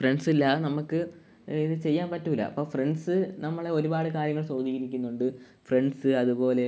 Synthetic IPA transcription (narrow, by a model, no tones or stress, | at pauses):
freɳɖsilːɐnɐmukːɨ | iðɨt͡ɕe̞jːaːnpɐtːuʋilːɐ̰ɐ̰pːo̞ːfreɳɖsɨnɐmːɐɭeo̞ɾubaːɽɨkaːɾjɐŋːɐɭt͡ɕo̞ːd̪iːɣɐɾikʲːunːuɳɖɨ | freɳɖsɨɐðupo̞ːle̞